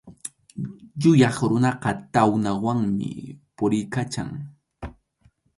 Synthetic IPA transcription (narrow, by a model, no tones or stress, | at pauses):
jʊjɑχɾʊnɑqɑt̪awnawaŋmɪ̰pʊɾɪjkat͡ʃa̰ŋ